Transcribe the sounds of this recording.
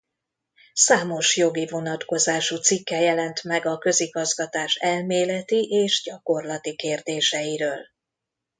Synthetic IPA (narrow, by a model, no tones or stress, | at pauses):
saːmo̞ʃjo̞ɡivo̞nɒt̪ko̞zaːʃut̪sikːɛjɛlɛnt̪mɛɡɒkø̞ziɡɒzɡɒt̪aːʃɛlmeːlɛt̪iʔeːʒɟɒko̞rlɒt̪ikeːrd̪eːʃɛjiɾøːl